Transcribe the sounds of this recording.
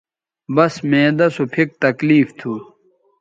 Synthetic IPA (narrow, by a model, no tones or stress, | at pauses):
bɐsmẽːd̪ɐsopʰik̚t̪ɐkliːft̪ʰu